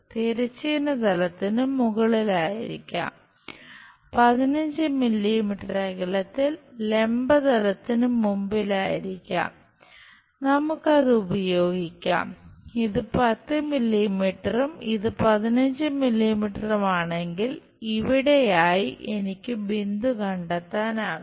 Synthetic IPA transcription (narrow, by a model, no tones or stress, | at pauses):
t̪iɾɐt͡ɕːinɐd̪ɐlɐt̪ːinummuɣɐɭilaːjḭɾḭkʲːa̰ːm | pɐðinɐɲd͡ʑɨmilːimiʈːɐreɣɐɭɐt̪ːilːe̞mbɐd̪ɐlɐt̪ːinumːumbilaːjiɾikʲːa̰ːm | nɐmukːɐðɨubɐjo̞ːɡikʲːa̰ːmiðɨpɐt̪ːɨmilːimiʈːɐrumiðɨpɐðinɐɲd͡ʑɨmilːimiʈːɐrumaːɳe̞ŋɡil | iʋiɽe̞jaːjiʔenikʲːɨbind̪ukɐɳɖɐt̪ːaːnaː